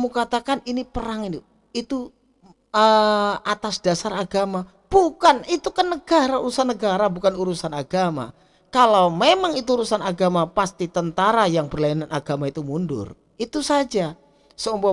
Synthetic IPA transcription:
mukat̪akaninipəɾaŋini | it̪u | əat̪asd̥asaɾaɡama | b̥ukanit̪ukənəɡaɾauɾusanːəɡaɾabukanuɾusanaɡama̰ | kalawmemaŋit̪̬uːɾusanaɡamapast̪it̪ənt̪aɾajaŋbərlajananʔaɡamait̪umundʊ̰r | it̪usad͡ʒa | səumbɔ

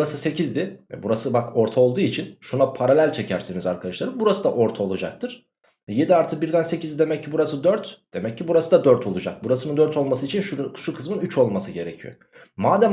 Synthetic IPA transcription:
ɾasɯse̞cʰizd̪ɪvɛ̰buɾasɯbako̞ɾt̪ʰao̞lˠd̪uːit͡ʃʰinʃunapʰaɾalʲælʲt͡ʃʰe̞cʰæɾsinizaɾkʰad̪aʃlˠaɾɯbuɾasɯd̪a̰ʔo̞ɾt̪ʰaolˠud͡ʒak̚t̪ʰɯɾ̥ | ɛje̞d̪iaɾt̪ʰɯbiɾd̪anse̞cʰizd̪id̪e̞mɛcːibuɾasɯd̪øɾt̪d̪̥e̞mɛcːibuɾasɯd̪ad̪øɾt̪ʰo̞lˠud͡ʒak̚buɾasɯnɯnd̪øɾt̪ʰo̞lˠmasɯit͡ʃʰinʃukʰu̥ʃukʰɯzmɯnyt͡ʃo̞lˠmasɯɟe̞ɾe̞cʰḭjo̰ | maːd̪æ

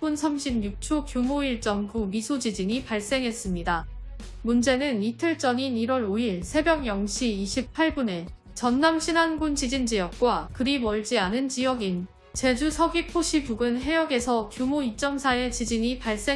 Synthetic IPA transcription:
unsʰamɕʰib̚ɲuk̚t͡ɕʰokjomoiɭt͡ɕ͈ʌmɡumisʰod͡ʑid͡ʑiɲipaɭs͈e̞ŋɦe̞s͈ɯmɲida | mund͡ʑe̞nɯnitʰɯɭt͡ɕ͈ʌŋiniɾwʌɾoiɭsʰe̞bjʌŋjʌŋɕʰiːɕʰip̚pʰaɭbune̞ | t͡ɕʌnːamɕʰinanɡunt͡ɕid͡ʑind͡ʑijʌk̚k͈wakɯɾimʌɭd͡ʑianɯnt͡ɕijʌɡin | t͡ɕe̞d͡ʑusʰʌɡipʰoɕʰibuɡɯnɦe̞jʌɡe̞sʰʌkjumoit͡ɕ͈ʌmsʰae̞t͡ɕid͡ʑiɲipaɭs͈e

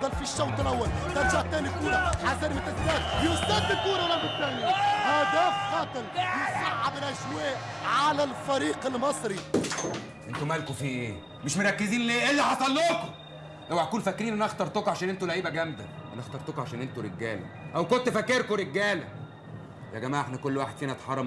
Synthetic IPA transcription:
d̪ɑlfiʃːæwt̪ˤelʔæwːæl | t̪ænd͡ʒaʕt̪ːæːnikuːɾæʕasæːnmæt̪æzæːt̪̚jost̪æːd̪ɪlk̪uːɾælabɪt̪ːæːniʔæːd̪æːxɑːt̪ˤelmesɑʕʕabɪlʔæʃwæːʔ | ʕalælfæɾiːqelmɑsˤɾi | ʔent̪umælk̪ufiːʔeː | meʃmoɾˤɑkːeziːnleːʔelːiħɑsˤɑlːoːk̪o̥ | howæʕækuːnfækːɾiːnʔænæʔɑxt̪ɑɾˤt̪okʕaʃæːnʔent̪ulæʕiːbæɡæmd̪æ̰ʔæ̰næʔɑxt̪ɑɾˤt̪okʕaʃæːnʔent̪uɾeɡːæːlæ̰ | ʔæwkont̪fækːeɾkoɾeɡːæːlæ̰ | jæɡæmaːʕʔeħnækolːwaːħed̪̥fiːnæt̪ħɑrˤːɑm

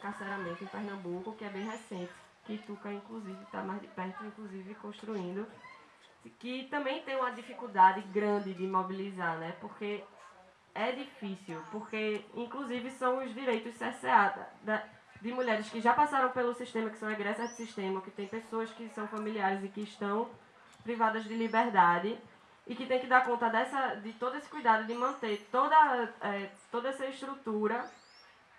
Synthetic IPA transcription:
kasɛɾamẽnt̪ʊĩpɛɦnɐ̃mbukʊkɪɛbẽj̃ɦɛsẽnt̪ɪ̥ | kɪt̪ukɐĩkluzivɪt̪a̰mazd̪ɪpɛht̪ʊĩkluzivɪkõʃt̪ɾuĩnd̪ʊ | kɪt̪ɐ̃mbẽj̃t̪ẽj̃ũmɐd̪ifikuwd̪ad̪ɪɡɾɐ̃nd̪ɪd̪ɪmobilizaɾnɛpohke | ɛd̪ifisiwpohkeĩkluzivɪsɐ̃w̃ʊzd̪iɾejt̪ʊssɛsead̪̰d̪ɐ | d̪ɪmuʎɛɾɪskɪʒapasaɾɐ̃w̃pelʊsiʃt̪ẽmɐkɪ̥sɐ̃w̃ɛɡɾɛsɐzd̪ɪsiʃt̪ẽmɐokɪt̪ẽj̃pesoɐskɪsɐ̃w̃fɐmiliaɾɪzɪkɪːʃt̪ɐ̃w̃ | pɾivad̪ɐzd̪ɪlibeɾd̪ad̪ɪː | kɪt̪ẽj̃kɪd̪aɾkõnt̪ɐd̪ɛsɐd̪ɪt̪od̪ʊesɪ̥kujd̪ad̪ʊd̪ɪmɐ̃nt̪eɾt̪od̪ɐɛt̪od̪ɐɛsɐɪʃt̪ɾut̪uɾɐ

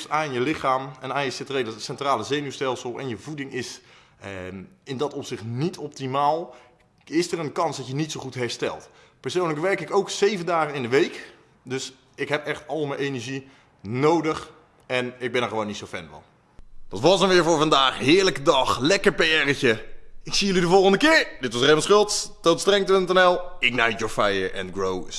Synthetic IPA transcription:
sanjəlɪxaːmɛnaːjəsɪtredɔtsɛntraːləzejnystɛlˠsəlˠɛ̰njəvudɪŋɪs | ɪndɔtɔpsɪχtnitʰɔp̚timaːlˠ | ɪsərənkɑnsdɔtjənitsowχutɦɛɹstɛ̰lˠt | pɛɹsownləkʋɛɹkɪkowksejvəndaːχənɪndəʋejk | dɵs | ɪkɦɛpɛχtɑlˠmənʔejnəɹʒi | nowdəχ | ɛnɪɡ̚bɛnəɹχəʋownitsowfɛ̰nvɑ̰n | d̥ɑtʋɑsənʋɪːɹvʊːɹvɑndaːχɦɪːɹləkədɑχlɛkəɹpeɛrəcəɪksijəlidəvɔlˠχəndəkɪːɹdɪtʋɑsremənsχølˠtstotstrɛŋpøntɛnɛlˠɪk̚najtjoɹfɛjəɹʔɛ̰nɡɹow

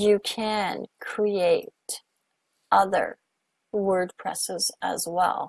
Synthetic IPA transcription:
jɨkʰɨ̃nkʰɹ̥ieɪɾ | ʔʌðə̰˞ | wɜ˞d̚pʰɹ̥ɛ̰sɪzə̰zwɛ̰lˠ

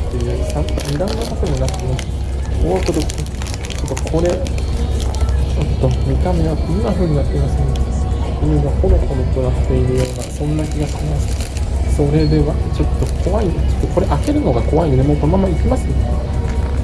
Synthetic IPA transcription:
t̪ːeɯapːamid̪amenat̪ak̪ad̪enakɯno | oːt̪od̪oe | t͡ɕot̪ːokʰo̞ɾe̞ | t͡ɕo̞t̪ːo̞mʲit̪ame̞ot̪ːejnːaɸɯ̟ːɲ̟inat̪ʲːenasẽnd̪eieɡaho̞ɾohoɾot̪oɾat̪ːe̞iɾɯ̟jo̞ːnasõ̞nːakʲiɡaɕimasɨ̥ | so̞ɾe̞d̪e̞βat͡ɕo̞t̪ːo̞kʰo̞βaitɨ̥t̪ːeko̞ɾe̞ʔake̞ɾɯ̟no̞ɡako̞βainod̪emo̞ːko̞no̞mamaikʲimasɨone

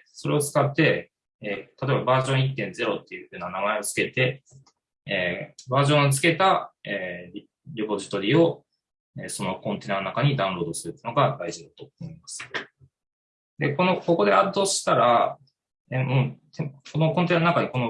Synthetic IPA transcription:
so̞ɾe̞o̞t͡sɨ̥kat̪ːe̞ | eːt̪at̪obabaːʑõ̞ɰ̃it̪ːẽ̞nd͡ze̞ɾo̞t̪ːe̞jɯ̟ɸɯ̟ːnanamae̞o̞t͡sɨ̥ke̞t̪e̞ | eːbaːʑõ̞ɰ̃ot͡sɨ̥ke̞t̪aeːi | ɾʲipo̞ʑi̥t̪o̞ɾʲiːo̞ | eːso̞no̞kõ̞nt̪e̞ːnanonakaɲ̟id̪ãɯ̃ɾo̞ːd̪o̞sɨɾɯ̟t̪ːeiɯ̟noɡad̪aiʑid̪at̪o̞omo̞imasɨ̥ | d̪e̞ko̞no̞ko̞ko̞d̪e̞ad̪ːo̞ɕi̥t̪aɾa | emɯ̃t̪ekonoko̞nt̪eːnanonakaɲ̟iko̞no

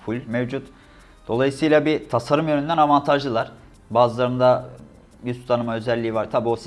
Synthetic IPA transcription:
fʰulʲmevd͡ʒut̪ | d̪̥o̞lˠajɯsɯjlˠabit̪ʰasaɾumjø̞nynd̪ænavant̪ʰaʒlɯlˠaɾ̥ | baːzɯlˠaɾɯnd̪a | jyst̪t̪ʰanɯmaø̞zɛlʲːiːvaɾt̪ʰabiːosi

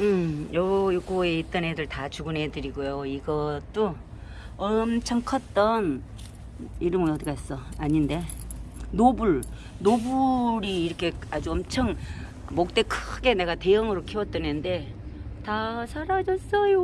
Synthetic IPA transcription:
ɯjʌjok͈oeit͈ʌnedɯɭtat͡ɕuɡɯnɦe̞dɯɾiɡujoiɡʌt͈o | ʌmt͡ɕʰʌŋkʰʌt͈ʌn | iɾɯmɯʌdiɡaɦes͈ʌaɲinde̞nobuɭ | nobuɾiːɾʌkʰe̞ad͡ʑuʌmt͡ɕʰʌŋ | mok̚t͈e̞kʰɯ̥ɡe̞ne̞ɡate̞jɯŋɯɾokʰewʌt͈enɯnde̞ | tasʰaɾad͡ʑʌs͈ʌjo

